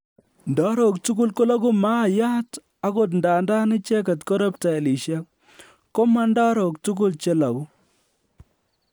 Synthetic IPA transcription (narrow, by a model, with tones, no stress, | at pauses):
ndɔ˦ɾo˨ktu˦ku˦lko˦la˦ku˦maː˦˨ja˦t | a˦ko˨t̬nda˨nda˦nɪ˦t͡ʃe˦ka˨tko˦ɾe˦pta˨e˨li˨ʃja˦k | kːo˦ma˦nda˦ɾɔ˨k̚tu˦k̬u˦lt͡ʃe˦la˨ku˦